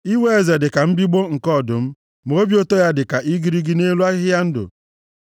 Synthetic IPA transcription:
i˦we˦e˨ze˨dɪ˨ka˨m̩˦bi˦ɡ͡bo˦ŋ̩˨kɔ˦˨dʊ˨m̩˦ | m˨o˦bjo˦to˦ja˦dɪ˨ka˨ʔi˦ɡi˦ɾi˦ɡi˦ne˦lu˦a˦ɦɪ˦ja˦n̩˦dʊ̰˨

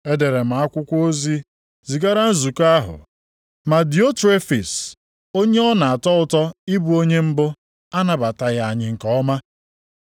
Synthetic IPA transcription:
e˦de˨ɾe˨m̩a˨a˦kʷʊ˦kʷo˦zi˦ | zi˨ɡa˦ɾa˦n̩˦zu˨ka˦ɦʊ̰˨ | ma˨di˨o˦tɾe˦fi˨s | o˦ɲe˦ɔ˦na˨a˨tɔ˦ʊ˦˨tɔ˦i˦bu˦o˦ɲe˦m̩˦bʊ˦ | a˦na˨ba˨ta˨ɣa˨a˨ɲɪ˨ŋ̩˨kɔ˦ɔ˦ma˦

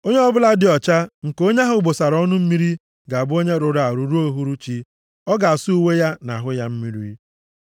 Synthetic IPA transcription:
o˦ɲe˦ɔ˦bʊ˦la˦dɪ˨ɔ˨t͡ʃa˦ŋ̩˨ko˦ɲe˦ɦʊ˦bo˨sa˨ɾɔ˦nʊ˦m̩˦mi˦ɾi˦ | ɡa˨bʊ˦o˦ɲe˦ɾʊ˨ɾa˨ɾu˨ɾu˦o˦ɦu˦ɾu˦t͡ʃi˦ | ɔ˦ɡa˨a˨su˦u˦we˦ja˦na˨ɦʊ˦ja˦m̩˦mi˦ɾḭ˦

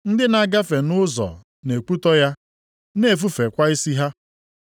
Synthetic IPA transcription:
n̩˦dɪ˦na˦ɡa˦fe˨nʊ˦zɔ̰˨ | ne˨ku˦tɔ˦ja˦ | ne˦˨fu˦fe˨kʷa˦i˦si˦ɦa˦

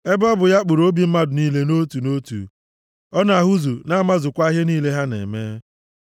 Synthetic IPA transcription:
e˦bɔ˦bʊ˨ja˦k͡pu˨ɾo˦bi˨m̩˦ma˦dʊ˨niː˦le˦no˦tu˨no˦tṵ˨ | ɔ˦na˨a˨ɦu˦zu˨na˦ma˦zʊ˨kʷa˦ɦe˦niː˦le˦ɦa˦nḛ˨meː˦

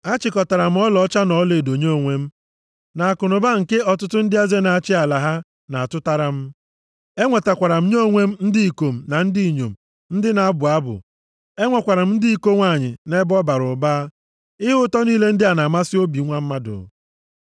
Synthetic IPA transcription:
a˦t͡ʃɪ˨kɔ˨ta˨ɾa˨m̩˦ɔ˦lɔ˨˦t͡ʃa˦nɔ˨˦le˨do˨ɲe˦o˨ŋʷe˦m̩˦ | na˨a˨kʊ˨nʊ˨ba˦ŋ̩˨ke˦ɔ˨tʊ˦tʊ˦n̩˦dɪ˦a˦ze˦na˨a˨t͡ʃɪ˦a˨la˨ɦa˦ | na˨a˨tʊ˦ta˦ɾa˨m̩˦ | e˦ŋʷe˨ta˨kʷa˨ɾa˨m̩˦ɲo˦˨ŋʷe˦m̩˦n̩˦di˦i˨ko˨m̩˨na˨n̩˦di˦i˨ɲo̰˨m̩˨ | n̩˦dɪ˦na˨a˦bʊ˨a˦bʊ̰˨ | e˦ŋʷɔ˨kʷa˨ɾa˨m̩˦n̩˦di˦i˦ko˦ŋʷa˨ɲɪ̰˨ne˦bɔ˦ba˨ɾʊ˨baː˦ | ɪ˦ɦʊ˦tɔ˦niː˦le˦n̩˦dɪ˦a˨na˨ma˦sɪ˦o˦bi˨˦ŋʷa˦m̩˦ma˦dʊ̰˨

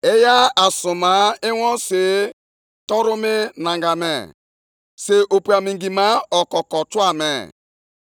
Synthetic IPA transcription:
e˦ja˦a˨su˨ma˨˦e˦wɔ˦se˨ | tɔ˦ɾu˦mɪ˦na˨ŋɡa˨mɛ̰˨ | se˨ʔo˨pu˨a˨mi˨ŋɡi˨ma˦ɔ˨kɔ˨kɔ˨tu˦a˦˨mḛ˨

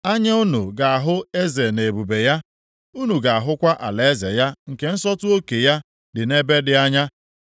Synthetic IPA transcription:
a˦ɲa˦u˦nu˨ɡa˨a˨ɦʊ˦e˦ze˨ne˨bu˨be˨ja˦ | u˦nu˨ɡa˨a˨ɦʊ˦kʷa˦ʔa̰˨le˨e˦ze˨ja˦ŋ̩˨ke˨n̩˦sɔ˦tʊ˦o˦ke˨ja˦ | dɪ˨ne˦be˦dɪ˦a˦ɲa˦

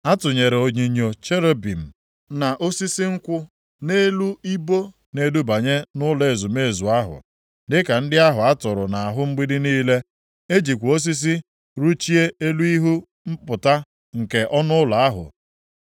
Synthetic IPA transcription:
a˦tʊ˨ɲe˨ɾe˨o˨ɲi˨ɲo˨t͡ʃe˦ɾe˦bi˨m̩˨ | na˨ʔo˦si˦si˦ŋ̩˦kʷʊ˦ | ne˦lu˦i˦bo˦ | ne˦du˦ba˨ɲe˦nʊ˦le˨zu˨me˦˨zu˨a˦ɦʊ̰˨ | dɪ˦ka˨n̩˦dɪ˦a˦ɦʊ˨a˦tʊ˨ɾʊ˨na˨a˨ɦʊ˦ŋ͡m̩˦ɡ͡bi˦dɪ˦niː˦le˦ | e˦d͡ʒi˨kʷu˨o˦s̬i˦s̬i˦ | ɾu˦t͡ʃi˦e˦e˦lu˦i˦ɦu˦ | m̩˦pʊ˨ta˦ | ŋ̩˨ke˨ʔɔ˦nʊ˦ʊ˦la˨a˦ɦʊ̰˨

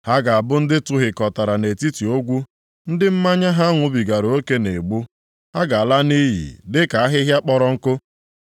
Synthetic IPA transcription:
ha˦ɡa˨a˨bʊ˦n̩˦dɪ˦tʊ˦ɦɪ˨kɔ˨ta˨ɾa˨ne˨ti˦ti˨o˦ɡʷu˦ | n̩˦dɪ˦m̩˦ma˦ɲa˦ɦa˦ŋʷʊ˨bi˨ɡa˨ɾo˦ke˦ne˨ɡ͡bu˦ | ha˦ɡa˨a˨la˦ni˦ɦḭ˨dɪ˦ka˨a˦ɦɪ˦ɦja˦k͡pɔ˦ɾɔ˦ŋ̩˦kʊ˦

